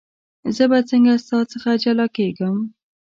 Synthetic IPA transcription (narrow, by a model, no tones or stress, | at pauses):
zəbat͡səŋɡast̪ɑt͡səxad͡ʒalɑkeɡəm